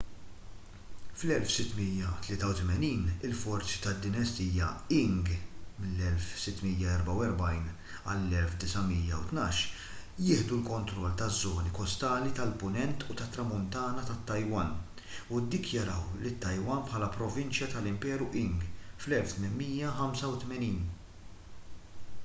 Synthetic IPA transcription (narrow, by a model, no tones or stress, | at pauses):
flɛlfsɪt̪ːmijɐt̪lɪːt̪ɐwt̪mɛniːnɪlfɔɾt͡si̥t̪ɐd̪ːɪnɐst̪iːjɐɪŋɡmɪlːɛlfsɪt̪ːmijːɐɛɾbɐwɛɾbɐjn | ɐ̰lːɛlfd̪ɪsɐmiːjːɐwt̪nɐːʃ | jɪːħd̪ulkɔnt̪ɾɔlːt̪ɐzːɔːnikɔst̪ɐːlit̪ɐlpʊnɛnt̪ut̪ɐt̪ːɾɐmʊnt̪ɐːnɐt̪ɐt̪ːɐjwɐn | ud̪ɪkjɐɾɐwlɪt̪ːɐjwɐnpħɐːlɐpɾɔvɪnt͡ʃjɐt̪ɐlɪmpɛːɾuʔɪŋɡflɛlft̪mɪnmiːjɐħɐmsɐwt̪mɛniːn